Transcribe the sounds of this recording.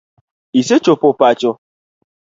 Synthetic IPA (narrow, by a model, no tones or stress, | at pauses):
iset͡ʃopʊpat͡ʃʊ